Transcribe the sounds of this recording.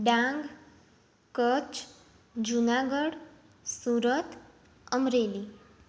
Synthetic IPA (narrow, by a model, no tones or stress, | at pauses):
ɖãŋɡ | kət͡ʃ | d͡ʒunaɡəɽ | suɾət̪ | əmɾeli